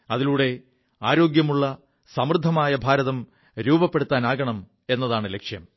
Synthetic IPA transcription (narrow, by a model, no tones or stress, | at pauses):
ɐðiluːɽe̞ | aːɾo̞ːɡjɐmuɭːɐ | sɐmrɨd̪ʱːɐmaːjɐbʱaːɾɐðɐm | ɾuːbɐpːeɽut̪ːaːnaːɣɐɳɐm | e̞nːɐðaːɳɨle̞kʂjɐm